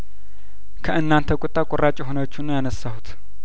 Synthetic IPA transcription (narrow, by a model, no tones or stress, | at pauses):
kʰəʔɨnːant̪ʰəkʼɔt̪ʼːakʼorʔat͡ʃʼɛɦonəwot͡ʃːunːəjanəsːahut̪